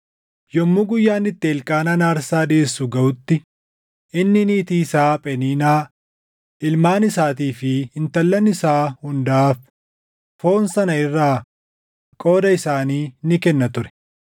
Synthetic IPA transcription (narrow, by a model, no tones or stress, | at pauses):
jɔmːʊɡʊjːaːnːɪt̪ːeːlkʼaːnɐnaːɾsaːd̪eːsʊɡɐʔʊt̪ːɪ | ʔɪnːɪnɪːt̪iːsaːpʼɛniːnaː | ʔɪlmaːnɪsaːt̪iːfɪɪnt̪ɐlːɐnɪsaːhʊnd̪aːf | fo̞ːnsɐnɐɪrːaː | kʼo̞ːd̪ɐɪsaːniːnɪkɛnːɐt̪ʊɾɛ̥